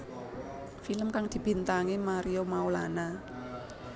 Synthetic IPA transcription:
filəmkaŋd̪ibint̪aŋimaɾiomawlana

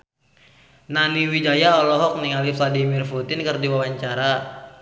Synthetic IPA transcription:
naniwid͡ʒajaɔlɔɦɔk̚niŋalifladimirfut̪ɪnkɨrdiwawaɲt͡ʃaɾa

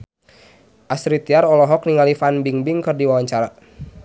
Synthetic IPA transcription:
ʔasɾit̪iaɾɔlɔɦɔk̚niŋalifanbiŋbiŋkɨrdiwawaɲt͡ʃaɾa

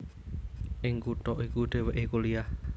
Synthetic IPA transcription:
ʔɪŋkut̪ɔʔikud̪̥e̤weʔikulijah

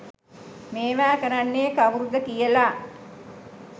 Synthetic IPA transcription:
meːʋaːkəɾanːeːkaʋuɾud̪əkijəla

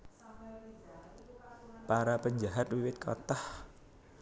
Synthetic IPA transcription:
paɾapəɲd͡ʒaɦat̪̚wiwɪt̪̚kʰɔ̰t̪ɔh

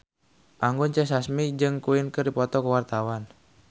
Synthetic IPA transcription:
ʔaŋɡɔnt͡ʃɛsasmid͡ʒɨŋkuɪnkərdipɔt̪ɔkəwart̪awan

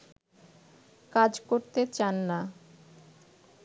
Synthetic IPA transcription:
kad͡ʑkoɾt̪et͡ɕanːa

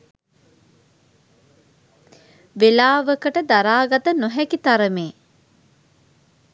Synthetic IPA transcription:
ʋelaːʋəkəʈəd̪aɾaːɡat̪ənoɦɛkit̪aɾəmeː

